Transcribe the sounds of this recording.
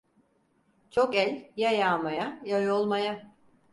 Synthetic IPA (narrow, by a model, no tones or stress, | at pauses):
t͡ʃʰo̞kɛlʲjajaːmajajajo̞lˠmaja